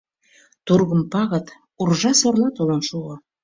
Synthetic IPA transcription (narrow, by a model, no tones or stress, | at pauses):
t̪urɣə̆mpɑɣə̆t̪ | urʒɑsorlˠɑt̪olɤnʃuɤ